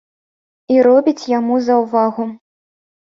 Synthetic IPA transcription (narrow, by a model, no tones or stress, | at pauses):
iɾɔbʲit͡sʲjamuzɐwvaɣu